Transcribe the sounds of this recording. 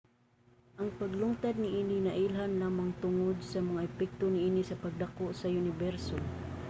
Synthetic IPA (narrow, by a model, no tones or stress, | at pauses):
ʔɐŋpɐɡlʊŋt̪ad̪̚nɪʔiːninɐʔilɦanlaːmaŋt̪ʊŋod̪̚sɐmɐŋaʔɛpɛk̚t̪onɪʔiːnisɐpɐɡ̚d̪akoʔsɐjʊnɪbɛɾso